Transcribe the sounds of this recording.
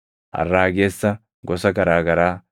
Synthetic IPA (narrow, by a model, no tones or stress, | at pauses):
ʔɐ̰rːaːɡeːsːɐ | ɡɔsɐɡɐɾaːɡɐɾaː